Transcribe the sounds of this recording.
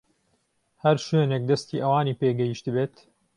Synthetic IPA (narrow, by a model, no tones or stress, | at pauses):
hɐɾʃweːnek̚d̪ɐst̪iːʔɐwaːniːpeːɡɐjiʃt̪ɨbeːt̪